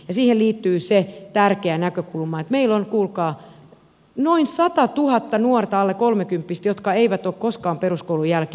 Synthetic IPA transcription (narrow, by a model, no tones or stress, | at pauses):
jɑsiːhelliːt̪ːyːset̪ærkeænækøkulmɑːet̪meilonkuːlkɑː | noinsɑt̪ɑt̪uhɑt̪ːɑnuɔrt̪ɑɑlːekolmekympːist̪jot̪kɑeiʋæt̪okkoskɑːmperuskoulujælke